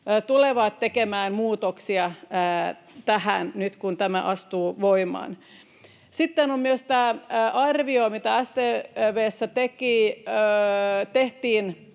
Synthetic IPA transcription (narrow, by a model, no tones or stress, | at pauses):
t̪uleʋɑt̪tekemæːnmuːt̪oksiɑː | t̪æhænnyt̪kunt̪æmæ̰ʔɑst̪uːʋoimɑ̰ːn | sit̪ːenomyøst̪æːʔɑrʋiomit̪ææst̪eːʋeːsːæt̪ekiːøt̪eht̪iːn